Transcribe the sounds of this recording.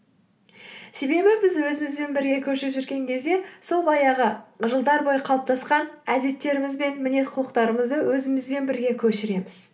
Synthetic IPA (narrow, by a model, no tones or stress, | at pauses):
se̞be̞bɪbɪzwɵzɪmɪzbe̞nbɪɾɡʲe̞kʲʰɵʃɪɾɪpʒʏɾɡʲe̞ŋkʲʰe̞zd̪e̞so̞lˠbɑjɑʁəʒəlˠd̪ɑɾbo̞jəqʰɑlˠəp̚t̪ɑsqɑnæd̪e̞t̪ːe̞ɾɪmɪzbe̞nmɪne̞sqʰʊlˠəqt̪ɑɾəməzd̪əwɵzɪmɪzbe̞nbɪɾɡʲe̞kʲʰɵʃɪɾe̞mɪz̥